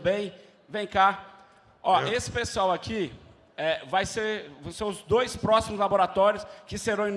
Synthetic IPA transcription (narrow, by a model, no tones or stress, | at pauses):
bẽj̃ | vẽj̃ka | ɔesɪ̥peswawaki | ɛvajseɾvɐ̃w̃sẽw̃ʊzd̪ojspɾɔsimʊzlaboɾat̪ɔɾjʊskɪseɾɐ̃w̃ĩn